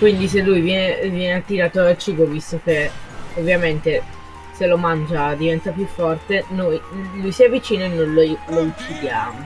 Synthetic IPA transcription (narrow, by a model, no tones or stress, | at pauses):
kwind̪is̬elːujvjɛnevjɛneat̪ːiɾaːt̪oalt͡ʃiːbovist̪ok̟eovːjament̪e | selomand͡ʒad̪ivɛnt̪apjufːɔrt̪enojlujsiɛvːit͡ʃiːnoenːojlolout͡ʃːid̪jaːmo